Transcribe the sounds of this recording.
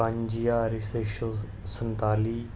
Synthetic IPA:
ãɲd͡ʒijaɾiseʃo | sənt̪aːliː

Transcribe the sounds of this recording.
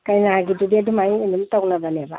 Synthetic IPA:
kajnaaɡidudiadumajinumtawnabaniaba

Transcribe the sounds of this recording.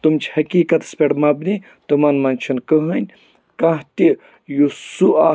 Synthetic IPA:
t̪umt͡ʃʰhɐkiːkɐt̪spʲeɽmɐbni | t̪umɐnmɐnʲt͡ʃʰɐnkəɦənʲ | kɐɦt̪i | jusuʔaː

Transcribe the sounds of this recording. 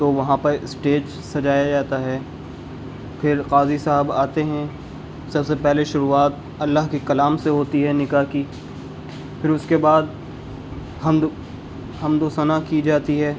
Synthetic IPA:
t̪oːʋɐɦãpɐɾɪsʈeːd͡ʒ | sɐd͡ʒaːjad͡ʒaːt̪aɦɛː | pʰɪɾqaːzisaɦəbaːt̪eɦɛ̃ | sɐbsepɛɦleʃʊɾuaːt̪̚ | ɐlːaɦkikɐlaːmseɦoːt̪iɦɛnɪkaːɦki | pʰɪɾʊskebaːd̪̚ | ɦɐm | ɦɐmd̪oːsɐnakid͡ʒaːt̪iɦɛː

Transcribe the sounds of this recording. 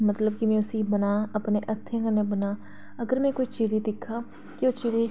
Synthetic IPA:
mət̪ləb̚kɪmɛ̃ːʊsĩːbənaːəpneːʔət̪ʰːẽːkənẽbənaː | əɡəɾmɛ̃ːkoːiːt͡ʃiːɾiːd̪ɪkʰːaː | kɪoːt͡ʃiːɾiː

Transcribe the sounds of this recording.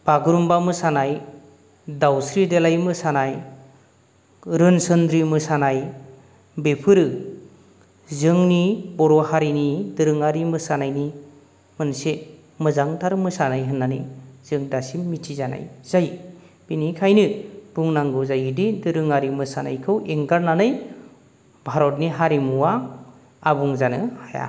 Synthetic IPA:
b̥aɡuɾumbamɯsanaj | dawsɾidelajmɯsanaj | ɾɯnsɯnd̪ɾimɯsanaj | bepʰɯɾɯ | zɯŋnibɔɾɔhaɾinidɯɾɯŋaɾimɯsanajni | mɯnse | mɯzaŋtʰaɾmɯsanajɦɯnːaniz̥ɯŋdasimmitʰizana̰jz̥aj | b̥inikʰajnɯb̥uŋnaŋɡɯzajɯdidɯɾɯŋaɾimɯsana̰jkʰɯweŋɡaɾnanɯj | bʱaɾɔt̚niɦaɾimuwa | abuŋzanɯhaja̰

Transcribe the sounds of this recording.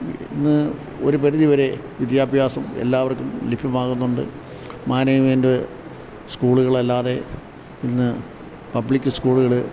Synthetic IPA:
ḭnːɨ | o̞̰ɾup̬ɐɾiðiʋɐɾe̞ | ʋid̪jaːbʱjaːsɐmḛlːaːʋɐrkːumlipʰjɐmaːɣunːuɳɖɨ̰ | maːnɐjmeːnde | skuːɭuɣɐɭɐlːaːðe̞ | inːɨ | pɐbɭikʲːɨskuːɭuɣɐɭɨ

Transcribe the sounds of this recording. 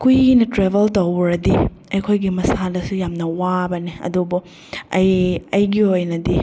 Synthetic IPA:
kujinɐtɾebeltɐwɾɐdi | ɐjkʰojɡimɐsadɐsujamnɐwabɐniɐ̰dubu | ɐjɐjɡiojnɐdi

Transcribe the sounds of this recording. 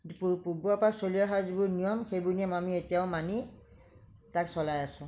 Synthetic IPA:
pupubuapaksoliaɦazibʊɹnijɔmxejbʊɹnijɔmamietijaʊmani | taksɔlajasʊ̃

